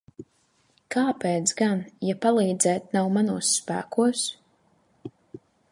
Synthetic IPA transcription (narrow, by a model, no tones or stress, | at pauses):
kaːpeːt̪sɡanjapalˠiːd̪zɛːt̪̚nawmanuɔsːpæ̰ːkuɔs